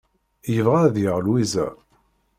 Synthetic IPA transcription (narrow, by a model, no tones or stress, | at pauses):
jəvʁaðjəʁlwizæ̰